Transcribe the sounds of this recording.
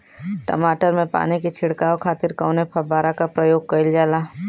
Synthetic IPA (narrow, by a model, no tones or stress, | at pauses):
ʈə̰maːʈəɾmẽpa̰ːnikit͡ʃʰɪɽkaːokʰaːt̪ɪɾkaʊnepʰɐbaːɾakapɾəjoːɡ̚kɐɪld͡ʒaːlaː